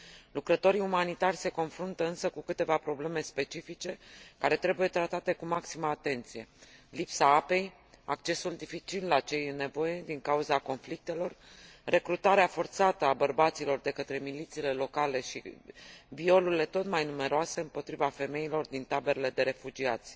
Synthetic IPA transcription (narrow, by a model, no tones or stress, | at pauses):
lukɾət̪o̞ɾiumanit̪arʲse̞ko̞nfɾunt̪əɨnsəkukɨt̪e̞vapɾo̞ble̞me̞spe̞t͡ʃifit͡ʃe̞kaɾe̞t̪ɾe̞buje̞t̪ɾat̪at̪e̞kumaksiməaːt̪e̞nt̪sije̞lipsaape̞j | a̰kt͡ʃe̞suld̪ifit͡ʃilːat͡ʃe̞jne̞vo̞je̞d̪iŋkauzako̞nflik̚t̪e̞lo̞r | re̞kɾut̪aɾeafo̞rt̪sat̪əabərbat̪silo̞rd̪e̞kət̪ɾe̞milit̪sile̞lo̞kale̞ʃḭbio̞luɾile̞t̪o̞t̪majnume̞ɾoase̞ɨmpo̞t̪ɾivafe̞me̞ilo̞rd̪int̪abe̞ɾele̞d̪e̞ɾe̞fud͡ʒiat̪sʲ